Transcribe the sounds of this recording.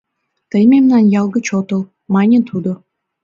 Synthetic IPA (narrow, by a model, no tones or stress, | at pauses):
t̪əjmemnɑnjɑlˠɡə̆t͡ɕot̪ɤ̆lˠ | mɑnʲet̪ʰud̪ŏ